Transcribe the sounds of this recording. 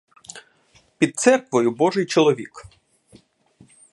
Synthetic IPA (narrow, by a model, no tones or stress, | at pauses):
pʲid̪̚t̪sɛrkʋɔjʊbɔʒɪjt͡ʃɔlˠɔʋʲik